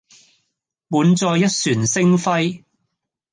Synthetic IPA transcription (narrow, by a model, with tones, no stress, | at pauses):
muː˨˧nt͡sɔː˧jːɐ˥t̚syː˨˩nsɪ˥ŋfɐ˥j